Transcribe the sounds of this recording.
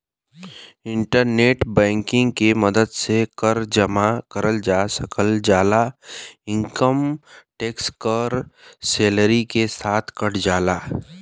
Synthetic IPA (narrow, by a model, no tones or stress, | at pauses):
ɪ̃ɳʈəɾneːʈbɛ̃ːŋkɪ̃ŋɡkemɐd̪əd̪sekəɾd͡ʒɐmakəɾəld͡ʒaːsəkəld͡ʒaːlaːɪ̃ŋkəmʈeːkskəɾseːləɾikesaːt̪ʰkɐɽ̤d͡ʒaːlaː